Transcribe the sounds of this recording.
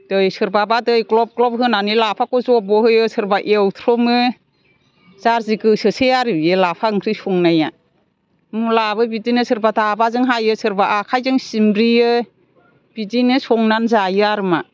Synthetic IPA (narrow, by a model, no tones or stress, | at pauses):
d̥ɯjsɯɾbabadɯjɡlɔp̚klɔp̚ɦɯnanilapʰakɔzɔbɔɦɯjɯsɯɾbaʔewt̪ʰɾɔmɯ | zaɾziɡɯsɯsejaɾɯbjɯlapʰaɯŋkʰɾɯsɔŋnaja | mulabɯbidinɯsʰɯɾbadabazɯŋɦajɯsɯɾbaʔakʰajzɯŋsimbɾiɯ | b̥idinɯsɔŋnanzajɯaɾɯma